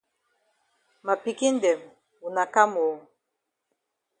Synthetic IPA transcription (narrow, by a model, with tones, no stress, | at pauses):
ma˨pi˨ki˦n˦dɛ˨m˨ | u˨na˨ka˦mo˨